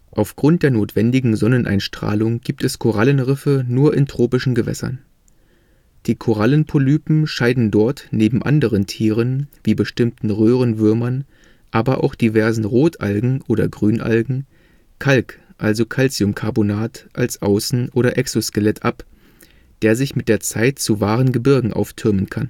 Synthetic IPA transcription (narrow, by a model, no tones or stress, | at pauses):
ʔaʊfɡ̥ʁʊnt̚d̥eːɐnoːtv̥ɛndɪɡŋ̩zɔnənʔa̰ɪnʃtʁ̥a̰ːlʊŋɡiːp̚tɛskʰoʁalənʁɪfənuːɐʔɪntʁ̥oːpɪʃn̩ɡəvɛ̰sɐ̰n | d̥iːkʰoʁ̞alənpʰolyːpm̩ʃaɪdn̩dɔɐtneːbm̩ʔa̰ndəʁəntʰiːʁ̞ənv̥iːbəʃtɪmtn̩ʁøːʁ̞ənvʏɐmɐn | ʔaːbɐʔa̰ʊxd̥ivɛɐzn̩ʁoːtʰʔa̰lɡŋ̩ʔoːdɐ̰ɡʁyːnʔa̰lɡŋ̩ | kʰalkʔalzokʰalt͡siʊmkʰaɐbonaːtʔalsʔaʊsn̩ʔoːɾɐʔɛksoskəlɛtʰʔap | d̥eːɐzɪçmɪt̚d̥eːɐt͡saɪtt͡suvaːʁənɡəbɪɐɡŋ̩ʔa̰ʊftʰʏɐmənkʰan